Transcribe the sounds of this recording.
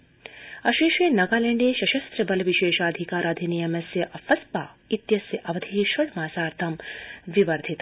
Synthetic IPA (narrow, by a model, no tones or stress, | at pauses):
ɐʃiːʃeːnɐɡaːleɳɖeːʃɐʃɐst̪ɾɐbɐlʋiʃeːʃaːd̪ʱikaːɾɐd̪ʱinijɐmɐsjɐʔɐfɐspaːit̪jɐsjɐʔɐʋɐd̪ʱiʃɐlmaːsaːɾt̪ʰɐmʋiʋɐɾd̪ʱit̪